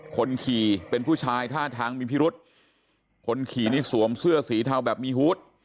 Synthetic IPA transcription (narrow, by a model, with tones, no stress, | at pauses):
kʰo˧nkʰiː˨˩pe˧npʰuː˥˩t͡ɕʰaː˧jt̪ʰaː˥˩t̪ʰaː˧ŋmiː˧pʰiː˦˥˩ɾu˦˥t̪̚ | kʰo˧nkʰiː˨˩niː˦˥˩su˩˦əmsɯ˥˩ɐsiː˩˦t̪ʰa˧wbɛː˨˩p̚miː˧huː˦˥t̪̚